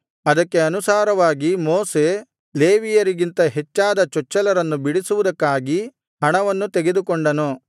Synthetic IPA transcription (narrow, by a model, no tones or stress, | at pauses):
ɐd̪ɐkːe̞ɐnusaːɾɐʋaːɡimoːse̞ | leːʋijɐɾiɡint̪ɐɦet͡ʃːaːd̪ɐt͡ʃɔt͡ʃːɐlɐɾɐnːubiɽisuʋud̪ɐkːaːɡi | ɦɐɳɐʋɐnːut̪eɡe̞d̪ukoɳɖɐnu